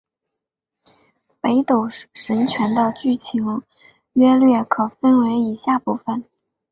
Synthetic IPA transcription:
pe˧˥ɪt̪o˨˩ʊʂə˧˥nt͡ɕʰɥɛ˧˥nt̪ə˥˧ʊt͡ɕy˥˩t͡ɕʰi˧˥ŋ | ɥɛ˥lɥɛ˥˩kʰɤ˨˩fə˥nwe˧˥ɪi˨˩ɕja˥˩pu˥˩fə˨˩n

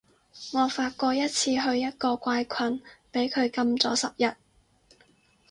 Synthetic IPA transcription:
ŋɔː˨˧faː˧t̚kɔː˧jɐ˥t̚t͡sʰiː˧ɦɵ˧ɥjɐ˥t̚kɔː˧kʷaː˧jkʰɐ˧npe˨˥jkʰɵ˨˧ɥkɐ˧mt͡sɔ̰ː˨˥sɐ˨p̚jɐ˨t̚

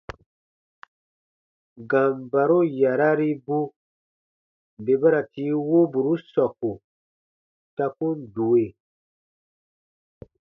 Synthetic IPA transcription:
ɡã˨mba˨ɾo˦ja˨ɾa˦ɾi˦bu˦ | be˨ba˦ɾa˨tiː˨˦wo˦bu˨ɾu˦sɔ˨ku˨ | ta˦ku˦n˦du˨we˨

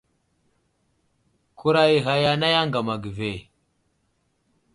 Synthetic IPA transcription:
ku˦ɾa˦i˨ɣa˨ja˦na˦ja˦ŋɡa˨ma˨ɡi˨ve˨

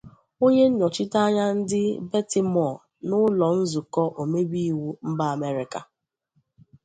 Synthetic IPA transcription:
o˦ɲe˦n̩˦ɲɔ˨t͡ʃɪ˦ta˦ɲa˦n̩˦dɪ˦be˦ti˨mɔ˨ | nʊ˦lɔ˨n̩˦zu˨kɔ˦ʔo˨me˦bi˦i˦wu˦m̩˦ba˦a˨me˦ɾɪ˨ka˨

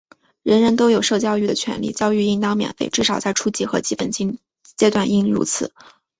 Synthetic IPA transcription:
ɻə˧˥nɻə˧˥nt̪o˥ʊjo˨˩ʊʂɤ˥˧t͡ɕjɑ˥˧ʊy˥˩d̪ə˩t͡ɕʰɥɛ̰˧˥nlḭ˥˩t͡ɕjɑ˥ʊy˥˧i˥˩ŋt̪ɑ˥ŋmjɛ̰˨˩nfe˥˧ɪʈ͡ʂɻ̩˥˩ʂɑ˨˩ʊt͡sa˥˩ɪʈ͡ʂʰu˥t͡ɕi˧˥xɤ˧˥t͡ɕi˥pə˨˩nt͡ɕi˥ | t͡ɕjɛ˥t̪wa˥˧ni˥˩ŋɻṵ˧˥t͡sʰɹ̩˨˩˦

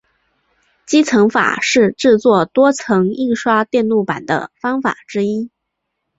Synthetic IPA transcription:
t͡ɕi˥t͡sʰɤ˧˥ŋfa̰˨˩ʂɻ̩˥˧ʈ͡ʂɻ̩˥˧t͡swɔ˥˩t̪wɔ˥t͡sʰɤ˧˥ŋi˥˧ŋʂwa˥t̪jɛ˥˧nlu˥˩pa˨˩nd̪ə̰˦fɑ˥ŋfa̰˨˩ʈ͡ʂɻ̩˥i˥

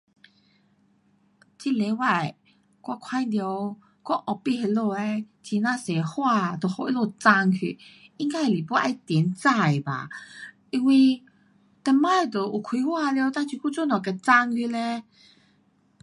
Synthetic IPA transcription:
t͡ɕi˧le˨˧˦wa˧˩j | kwa˧kʰa˧˦jd̪jo˧ | kɔ˦ʔɔ˨˩pi˥˧˨he˧lo˧e˧ | t͡ɕi˧˦nã˧se˨˩hwa˥˧t̪o˨˩ho˧˦ʔi˦˥lo˧˩t͡sa˧ŋkʰḭ˧˨i˦˥ŋka˧˦˨li˨˩pwɔ˧˦ʔa˧jt̪i˨˦nt͡sa˥˧˩jba̰˨ | i˧ŋwi˧ | t̪ɛ˧ma˥˦e˨˧˩t̪o˨˩ʔu˨˩kʰwi˧˦hwa˥˧ljo˧t̪a˧t͡ɕʰi˧˩ku˥˦t͡su˥˧˦nɔ̃˨˩kɛ˧t͡sa˧ŋkʰi˧le˧

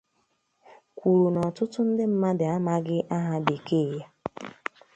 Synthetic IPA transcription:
kʷu˨ɾu˨nɔ˨tʊ˦tʊ˦n̩˦dɪ˦m̩˦ma˦dɪ˨a˦ma˦ɡɪ˦ʔa˦ɦa˦be˨ke˦˨ja˦

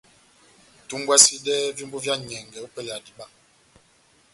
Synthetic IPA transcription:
tu˦mbwa˦si˦dɛ˦vi˦mbu˦vja˦ɲɛ˨ŋɡɛ˨o˦pə˦ja˨di˨ɓa˦

